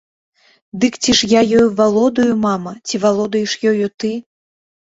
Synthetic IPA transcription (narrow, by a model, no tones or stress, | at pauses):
d̪ɨkt͡sʲiʂjajɔjuvalˠɔd̪ɐjumamɐt͡sʲivalˠɔd̪ɐjɛʂjɔjut̪ɨ